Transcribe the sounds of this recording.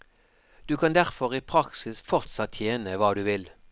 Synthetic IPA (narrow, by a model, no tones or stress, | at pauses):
d̪̥ʉːkʰɑnd̪æʁfɔʁiːpʰʁɑksɪsfɔʁt̪sɑt̪ʰːjeːnəʋɑːd̪ʉːʋɪl